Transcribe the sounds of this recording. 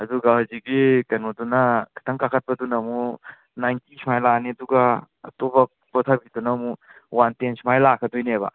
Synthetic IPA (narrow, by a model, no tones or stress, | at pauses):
ɐd̪uɡahaziɡikɐnodunɐkʰɐ̥t̪ʰɐŋkakʰɐt̚pɐdunɐmu | najntisʰimajlaneɐduɡa | ɐ̰tobɐ | pɔt̪ʰabidunɐmuwantensʰimajlakʰɐdojnebɐ̰